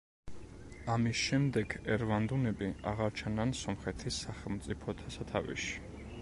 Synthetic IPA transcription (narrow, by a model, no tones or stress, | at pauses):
amisʃɛmd̪ɛɡɛɾvand̪unɛbiaʁaɾt͡ʃʰanansɔmχɛt̪ʰisːaχɛlˠmt̪sʼipʰɔd̪ʰasat̪ʰavḭʃi̥